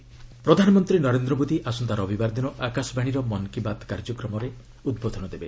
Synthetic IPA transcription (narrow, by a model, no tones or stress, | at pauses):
pɾɔd̪ʱanɔmɔnt̪ɾinɔɾend̪ɾɔbod̪iʔasɔnd̪aɾɔːbʱibaɾd̪inɔʔakasɔbaɽ̃iɾɔmɔnkibad̪kaɾd͡ʒɔkɾɔmɔɾe | ud̪bod̪ʱɔɽ̃ɔd̪ebe